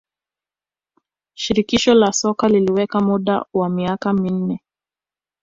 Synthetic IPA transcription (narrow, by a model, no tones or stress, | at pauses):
ʃiɾikiʃɔlasɔkaliliwɛkamuɗa̰wamiakamin̩nɛ